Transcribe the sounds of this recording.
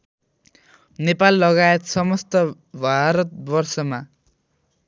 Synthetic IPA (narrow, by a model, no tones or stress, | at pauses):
nepalːʌɣajet̪sʌmʌst̪ʌ | bʱaɾʌt̪̚bʌrsʌma